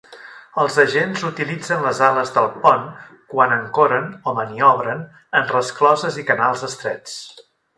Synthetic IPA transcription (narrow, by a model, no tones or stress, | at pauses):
əlˠzəʒenzut̪ilid͡zənləzaləzðəlˠpɔn | kwanəŋkoɾənoməniɔβ̞ɾən | ənrəsklɔzəzikənalˠzəst̪ɾɛt͡s